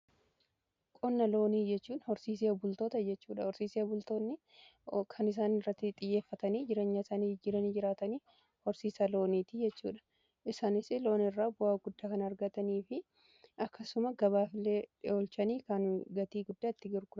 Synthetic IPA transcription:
kʼɔnːɐlo̞ːniːd͡ʒɛt͡ʃːuːnhɔɾsiːs̬eɐbʊlt̪oːt̪ɐd͡ʒɛt͡ʃːuːᶑɐhɔɾsiːseɐbʊlt̪oːnːɪ | kʰɐnɪs̬aːnɪrːɐt̪ːɪt̪ʼɪjːe̞ːfːɐt̪ɐniːd͡ʒɪɾe̞ːɲːɐɪsaːnid͡ʒɪɾɐniːd͡ʒɪɾaːt̪ɐniː | hɔɾsiːsɐlo̞ːniːt̪ɪd͡ʒɛt͡ʃːṵːᶑɐ̥ | ʔɪsaːnɪsɪlo̞ːnɪrːaːbʊaːɡʊd̪ːaːkɐnɐɐɾɡɐt̪ɐniːfɪ | ʔɐkʰːɐsʊmɐɡɐβaːfɪleːᶑɪoːlt͡ʃɐniːkɐnɡɐt̪iːɡʊd̪ːaːɪt̪ːɪɡɪɾɡʊɾɐ

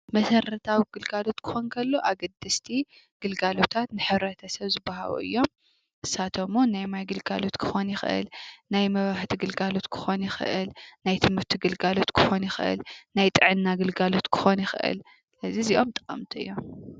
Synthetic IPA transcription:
mɐsɐɾɐt̪ʰawiɡ̥ɨlɡalo̞t̪kʰɨ̥xo̞nkʰɐlːoʔaɡɐd̪ːɨst̪ʰi | ɡ̥ɨlɡalot̪ʰat̪nɨħɨβɾɐt̪ʰɐsɐβzɨbːaha̰βṵʔɨ̰jːo̞m | ʔɨsat̪ʰomːonajmajɡɨlɡalo̞t̪kʰɨ̥xonjɪxʔɨ̰lnajmɐβaħt̪ʰiɡɨlɡalo̞t̪kʰɨ̥xo̞njɪxɨ̰ʔɨ̰lnajt̪ʰɨmɨɾt̪ʰiɡɨlɡalo̞t̪kʰɨ̥xo̞njɪxʔɨ̰lnajt̪ʼɨʕɨnːaɡɨlɡalo̞t̪kʰɨ̥xo̞njɪxɨʔɨ̰l | sɨlɐziziʔo̞mt̪ʼɨqʼɐmt̪ʰiʔɨ̰jːo̞m

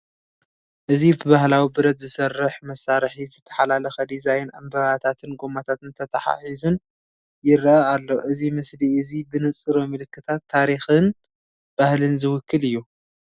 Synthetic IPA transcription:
ʔɨzibɨβahlawibɨɾɐt̪zɨsɐrːɨħmɐsːaɾħizɨt̪ʰːɐ̥ħalalɐxɐd̪izajna̰mbɐβat̪ʰat̪ʰɨnɡomat̪ʰat̪ɨnt̪ʰɐt̪ʰɐħa̰ħizɨn | jɪɾʔaalːoʔɨzimɨsliɨzibɨnɨt͡sʼɨɾomɨlɨkʰːɨt̪ʰat̪ʰːaɾixɨn | b̥ahlɨnzɨwʊkʰːɨlɨjːu

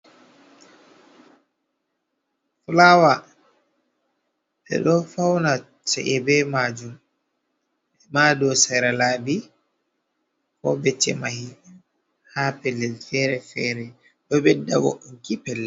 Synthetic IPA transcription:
fulawa | ɓɛ̰ɗɔfawna | sa̰ʔɛbɛmad͡ʒum | ɛmaːdɔsaɾalaːbi | kɔ̰bɛt͡ʃːɛmahi | haːpɛlːɛlfɛɾɛfɛːɾɛ | ɗɔbɛdːawɔ̰ʔunkipɛlːɛ

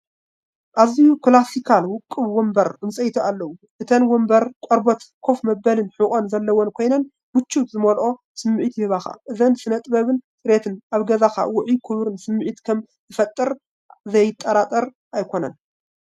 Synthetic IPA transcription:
ʔazijuklasikʰalwʊkʼːɨβwɔmbɐɾɨnsʼɐjt̪ʰuʔalːɐwu | ʔɨt̪ʰɐnwombɐɾkʷʼoɾbot̪kʰo̞fmɐbːɐlɨnħɨkʼonzɐlːɐwonkʰo̞jnɐn | wʊt͡ʃːut̪zɨmolʔo̞ | sɨmːɨʕit̪jɪhɨβaxa̰ʔɨzɐnsɨnɐt̪ʼbɐβɨnsʼɨɾet̪ʰɨnʔaβɡɐzaxa̰wʊʕikʰɨβɾɨnsɨmːɨʕit̪kʰɐm | tɨfɐt̪ʼːɨɾ | zɐjt̪ʼːɐɾat̪ʼɐɾ | ʔajkʰo̞nɐ̰n

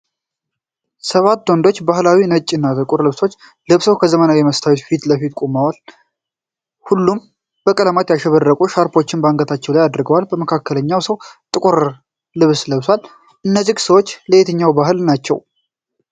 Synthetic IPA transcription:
səβat̪ːwɔnd̪o̞t͡ʃːbahlawinət͡ʃʼːɪnːat̪ʼɨkʼʊɾlɨβso̞t͡ʃː | lɨβsəwkʰəzəmənawjɛməst̪ʰawit̪fit̪ləfit̪̚kʼomawal | hulːum | b̥əkʼələmat̪jaʃɛβərːəkʼuʃaɾpo̞t͡ʃːɪnbaŋɡət̪ʰat͡ʃːɛwlajad̪ɾɡəwalbəməkʰakːələɲːawsəwt̪ʼɨkʼuɾ | lɨβsləβswal | ʔɨnːəzːiɡsəwot͡ʃːləet̪ʰəɲːawbaɦɨlnat͡ʃːɛ̰w

